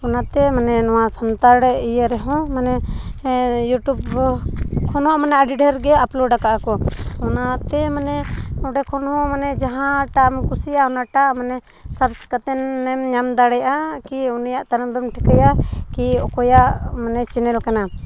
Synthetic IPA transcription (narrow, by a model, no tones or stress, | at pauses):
ɔnat̪ɛmanɛnɔwasant̪aɾɽɛijəɾɛɦɔ̃manɛ | juʈub | kʰɔnɔʔmanɛaɖiɖəɾɡɛaplɔɖakaʔakɔɔnat̪ɛmanɛɔɖɛkʰɔnhɔ̃manɛd͡ʒaɦãʈamkusijaɔnaʈaʔmanɛ | saɾt͡ʃkat̪ɛnːɛmɲamd̪aɽɛjʔakiunijaʔt̪aɾamd̪ɔmʈʰikajakiɔkɔjaʔmanɛt͡ʃɛnɛlkana